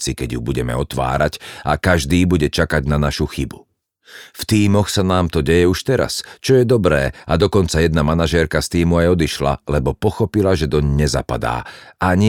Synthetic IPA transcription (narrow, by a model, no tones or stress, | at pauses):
t͡sikɛɟjubuɟɛmɛ̰ɔt̪ʋa̰ːɾacakaʒd̪iːbuɟɛt͡ʃakaɟnanaʃuxibu | ft̪iːmɔxsanaːmt̪ɔɟɛjɛuʃt̪ɛɾa̰st͡ʃɔjɛd̪ɔbɾɛːad̪ɔkɔnt͡sajɛd̪namanaʒɛːɾkast̪iːmuajɔd̪iʃla̰lɛbɔpɔxɔpilaʒɛd̪ɔɲɲɛza̰pa̰d̪a̰ːaɲ